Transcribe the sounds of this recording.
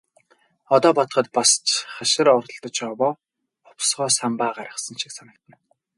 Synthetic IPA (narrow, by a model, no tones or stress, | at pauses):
ɔt̪ɔːpɔt̪ɞ̆χə̆t̪̚past͡ɕχaʃɪ̆ɾɔrt̪ə̆ɮt̪ə̆t͡ɕɔwɔː | ʊpsʁɔːsampaːɢaɾə̆χsə̆nʃiksanə̆k̚t̪ə̆n